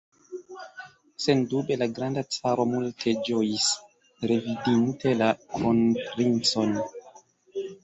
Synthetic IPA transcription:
se̞ndube̞laɡɾandat͡saɾo̞multʰe̞d͡ʒojis | ɾe̞vidinte̞lakʰonpɾint͡so̞n

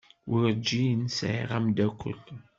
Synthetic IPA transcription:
ʔʊɾd͡ʒːinsʕḭʁamd̪ækʷʰːə̰l

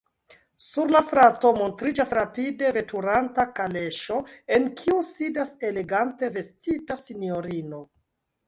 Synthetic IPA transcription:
suɾlastɾato̞mo̞ntɾid͡ʒasɾapide̞ve̞tʰuɾantakale̞ʃo̞e̞nkʰiusidase̞le̞ɡante̞ve̞stitasinio̞ɾino̞

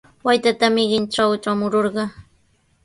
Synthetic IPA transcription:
wajt̪at̪amɪɢɪnʈ͡ʂawʈ͡ʂamʊɾoɾɢɑ

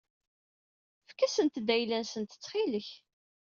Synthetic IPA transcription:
fkːæsənt̪d̪æjlænsənt̪ə̥t͡sːχiləç

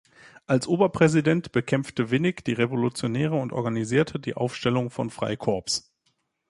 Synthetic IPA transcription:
ʔalsʔoːbɐpʁ̥ɛzidɛntb̥əkʰɛmftəvɪnɪçd̥iːʁevolut͡sjonɛːʁ̞əʊntʔɔ̰ɐɡaniziːɐtʰədḭːʔa̰ʊfʃtɛlʊŋfɔ̰nfʁ̥a̰ɪkʰɔɐps

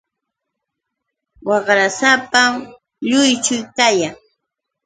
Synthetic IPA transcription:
wɑχɾasapa | ʎʊjt͡ʃʊjkajaŋ

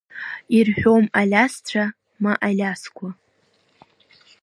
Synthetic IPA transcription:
irħʷᶣo̞malʲast͡ɕʷʰa | maʔalʲaskʷʰa

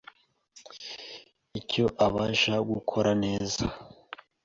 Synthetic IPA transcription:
ico̞ʔaβaʒaɡukʰo̞ɾane̞ːza

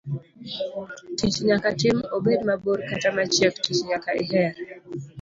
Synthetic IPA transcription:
tit͡ʃɲakat͡ʃɪmobedmaboɾkatamat͡ʃjɛktit͡ʃɲakaʔiɦɛɾ

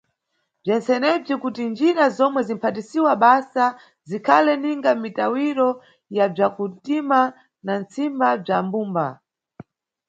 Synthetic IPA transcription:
b͡ʐɛnt͡sɛnɛb͡ʐikutind͡ʒiɾazɔmwɛzim̩pʰatisiwaɓasa | zikʰalɛniŋɡamitawiɾɔ | jab͡ʐakutima | nant͡simbab͡ʐambuːmba̰

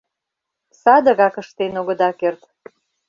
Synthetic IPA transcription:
sɑd̪ə̆ɣɑkəʃt̪enoɣə̆d̪ɑkert̪

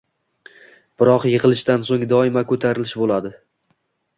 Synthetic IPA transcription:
b̥ɪɾɒqjɨʁɨlˠɪʃt̪ansoŋd̪ɒɪmakʰɵt̪ʰaɾɪlɪʃbolˠad̪ɪ

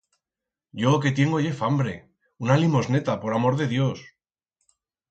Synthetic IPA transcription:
ɟ͡ʝo̞ke̞t̪je̞ŋɡoʝefambɾe̞̰ | unalimo̞zne̞t̪apo̞ɾamo̞ɾðe̞ðjo̞s

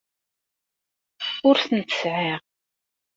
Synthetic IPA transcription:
ʊɾθənt̪ə̥sʕiʁ

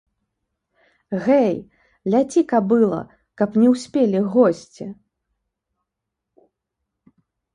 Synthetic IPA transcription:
ɣɛj | lʲat͡sʲikɐbɨlˠɐ̰ | kɐpnʲɛwsʲpʲelʲiɣɔsʲt͡sʲi

